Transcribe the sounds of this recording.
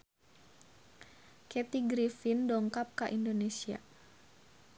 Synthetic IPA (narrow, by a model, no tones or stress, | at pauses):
kɛt̪iɡɾifindɔŋkap̚kaʔindonesia̰